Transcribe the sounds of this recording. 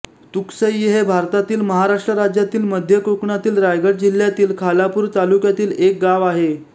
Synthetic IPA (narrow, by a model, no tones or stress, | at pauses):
t̪uksəjːiɦebʱaɾt̪at̪iːlməɦaɾaʂʈɾəɾad͡ʑjat̪iːlməd̪ʱjəkɾukɳat̪iːlɾajɡəɽd͡ʑil̤jat̪iːlkʰalapuːɾt̪alukjat̪iːlek̚ɡaʋaɦe